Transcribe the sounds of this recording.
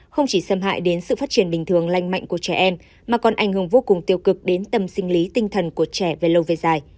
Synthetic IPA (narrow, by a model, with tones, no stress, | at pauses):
xə˧wŋ͡mt͡ɕi˧˩sə˧mɦa̰ː˧˨jɗe˨˦nsɨ̰˧˨faː˦˥t̚t͡ɕi˧˩ənɓï˨ŋ̟t̪ɨ˨˩əŋla˧jŋ̟ma̰˧˨jŋ̟ku˧˩ət͡ɕɛ˧˩ʔɛ˧m | maː˨˩kɔ˨˩nʔa˧˩jŋ̟hɨ˧˩əŋvo˧kʊ˨˩ŋ͡mt̪i˧əwkɨ˨˩k̚ɗe˨˦nt̪ə˨˩msï˧ŋ̟li˨˦t̪ï˧ŋ̟t̪ʰə˨˩nku˧˩ət͡ɕɛ˧˩ve˨˩lə˧wve˨˩zaː˨˩j